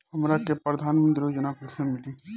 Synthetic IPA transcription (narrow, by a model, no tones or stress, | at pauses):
hɐmɾakepɾəd̪ʱaːnmə̃nd̪ɾod͡ʒənakʰʊɾsẽmɪʈi